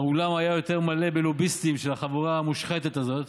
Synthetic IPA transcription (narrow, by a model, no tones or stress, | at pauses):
ulamajajo̞t̪e̞ʁmale̞belobist̪imʃelaχavuʁaːmuʃχet̪e̞t̪azo̞t̪